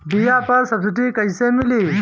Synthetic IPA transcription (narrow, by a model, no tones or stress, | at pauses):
bijaːpɐɾsɐbsɪʈikɐjsemiliː